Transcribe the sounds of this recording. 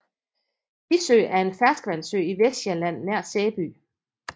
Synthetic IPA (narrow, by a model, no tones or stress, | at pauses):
isø̰ːʔæɐe̝nfæɐsɡ̥əʋænsø̰iʋesd̥jelæn̰ːæɐ̰̥seːb̥y̰ː